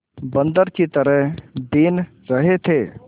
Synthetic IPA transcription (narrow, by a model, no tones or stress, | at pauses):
bənd̪əɾkit̪əɾəɦd̪in | ɾəɦet̪ʰe